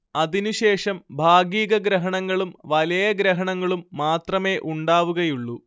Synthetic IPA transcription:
ɐðinuɕe̞ːʂɐmbʱaːɡiːɣɐɡɾɐɦɐɳɐŋːɐɭumʋɐlɐjɐɡɾɐɦɐɳɐŋːɐɭumːaːt̪rɐme̞ːʔuɳɖaːʋuɣɐjuɭːu

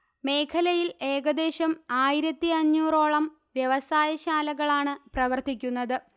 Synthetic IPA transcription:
me̞ːkʰɐlɐjile̞ːɣɐd̪e̞ːɕɐmaːjiɾɐt̪ːiɐɲːuːro̞ːɭɐm | ʋjeʋɐsaːjɐɕaːlɐɣɐɭaːɳɨprɐʋɐrt̪ikʲːunːɐðɨ

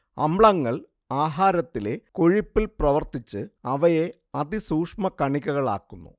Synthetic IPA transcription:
ɐ̰mɭɐŋːɐɭ | aːɦaːɾɐt̪ːile̞ko̞ɻipːilprɐʋɐrt̪it͡ɕːɨɐʋɐje | ɐd̪isuːkʂmɐkɐɳikʲːɐɣɐɭa̰ːkːunːṵ

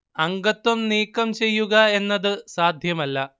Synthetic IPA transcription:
ɐŋɡɐt̪wɐmniːkːɐmt͡ɕe̞jːuɣɐe̞nːɐðɨsaːd̪ʱjɐmɐlːɐ

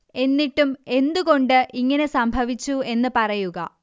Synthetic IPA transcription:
e̞nːiʈːume̞nd̪uɣo̞ɳɖɨʔiŋːɐne̞sɐmbʱɐʋit͡ɕːue̞nːɨpɐrɐjuɣɐ̰

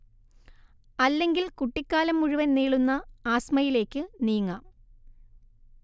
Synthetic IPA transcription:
ɐlːe̞ŋɡilkuʈːikʲːaːlɐmːuɻuʋɐnniːɭunːɐaːsmɐjile̞ːkːɨniːŋːɐ

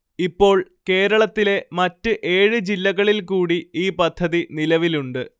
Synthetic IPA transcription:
ipːo̞ːɭke̞ːɾɐɭɐt̪ːile̞mɐtːɨʔe̞ːɻɨd͡ʑilːɐɣɐɭilkuːɽiiːpɐd̪ʱːɐðinilɐʋiluɳɖɨ

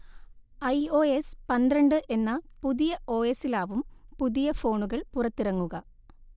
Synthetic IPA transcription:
ɐjo̞ːespɐnd̪ɾɐɳɖɨʔe̞nːɐpuðijɐʔo̞ːesilaːʋumpuðijɐfo̞ːɳuɣɐɭpurɐt̪ːiɾɐŋːuɣɐ

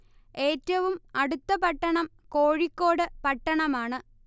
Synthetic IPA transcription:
e̞ːtːɐʋumɐɽut̪ːɐpɐʈːɐɳɐm | ko̞ːɻikːo̞ːɽɨpɐʈːɐɳɐmaːɳɨ

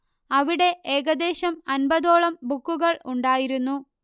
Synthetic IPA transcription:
ɐʋiɽe̞ʔeːɣɐd̪e̞ːɕɐmɐnbɐðo̞ːɭɐmbukːuɣɐɭuɳɖaːjiɾunːu

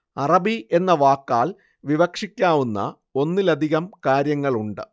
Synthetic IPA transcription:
ɐrɐbie̞nːɐʋaːkːaːɭ | ʋiʋɐkʂikʲːaːʋunːɐ̰ | o̞nːilɐd̪ʱiɣɐmkaːɾjɐŋːɐɭuɳɖɨ̰

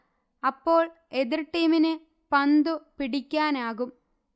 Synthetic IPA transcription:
ɐpːo̞ːɭ | eðirʈːiːminɨ | pɐnd̪upiɽikʲːaːnaːɣum

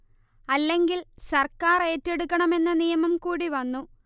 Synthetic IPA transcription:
ɐlːe̞ŋɡilsɐrkaːre̞ːtːeɽukːɐɳɐme̞nːɐnijɐmɐmkuːɽiʋɐnːu

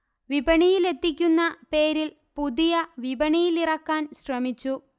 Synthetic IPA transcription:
ʋibɐɳijile̞t̪ːik̬ʲːunːɐpe̞ːɾil | puðijɐʋibɐɳijilirɐkːaːnɕrɐmit͡ɕːu

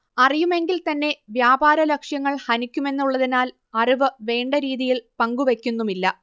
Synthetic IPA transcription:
ɐrijume̞ŋɡilt̪ɐnːe̞ʋjaːbaːɾɐlɐkʂjɐŋːɐɭhɐnikʲːume̞nːuɭːɐðinaːl | ɐriʋɨʋe̞ːɳɖɐɾiːðijilpɐŋɡuʋe̞kʲːunːumilːɐ

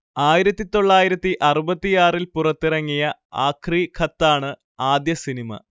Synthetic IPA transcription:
aːjiɾɐt̪ːit̪o̞ɭːaːjiɾɐt̪ːiʔɐrubɐt̪ːijaːrilpurɐt̪ːirɐŋːijɐa̰ːkʰriːkʰɐt̪ːaːɳɨ | aːd̪jɐsinimɐ̰

